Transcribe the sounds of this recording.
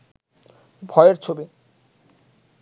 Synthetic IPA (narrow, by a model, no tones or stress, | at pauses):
bʱɔeeɾt͡ɕʰobi